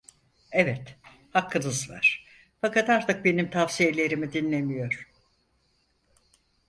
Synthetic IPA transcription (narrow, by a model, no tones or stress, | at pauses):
evɛt̪ | hakːɯnɯzva̰ɾ̥ | fakat̪aɾt̪ɯk̚be̞nimt̪ʰafsije̞lʲe̞ɾimid̪inlʲe̞mijo̞ɾ̥